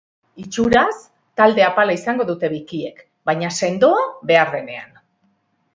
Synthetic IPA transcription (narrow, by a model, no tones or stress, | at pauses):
it͡ʃuɾas | t̪ald̪e̞apalaisaŋɡo̞ðut̪e̞βikie̞k | bajɲase̞nd̪o̞aβe̞aɾðe̞ne̞a̰n